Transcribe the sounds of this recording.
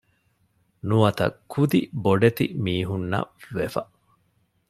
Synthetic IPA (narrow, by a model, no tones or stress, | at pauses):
nuʋɐt̪ɐ̰kʰːud̪iboɖet̪ḭmiːɦunːɐ̰ʋefɐ